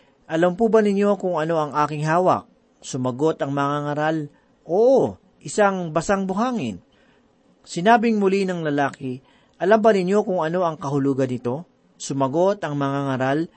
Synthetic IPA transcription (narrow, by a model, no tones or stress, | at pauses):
ʔɐlɐmpubɐnɪɲjo̞kʊŋɐno̞ɐŋʔaːkɪŋɦaːwɐ̰k̚ | sʊmɐɡo̞t̪ɐŋmɐŋaŋɐɾal | ʔoːʔo | ʔɪsaŋbɐsaŋbʊɦaːŋɪn | sɪnaːbɪŋmʊlinɐŋlɐlaːkɪ | ʔɐlambɐnɪnjo̞kʊŋɐno̞ʔɐŋkɐhʊluːɡɐnɪt̪o̞ | sʊmɐɡo̞t̪ɐŋmɐŋaŋɐɾal